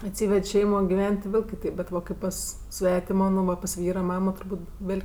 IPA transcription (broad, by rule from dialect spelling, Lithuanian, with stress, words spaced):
ɐtʲˈsʲiːʋʲɛtʲ ˈʃʲɛɪmoː ɡʲɪˈʋʲɛnʲtʲ tʲɪ ˈʋʲeːlʲ kʲɪˈtʲɛɪp bʲɛt ˈʋɐ ˈkɐɪp pɐs ˈsʲʋʲæːtʲɪmoː nʊ ˈʋɐ pɐs ˈʋʲiːrɐ ˈmɑːmoː tʊrˈbuːtʲ ˈʋʲeːlʲ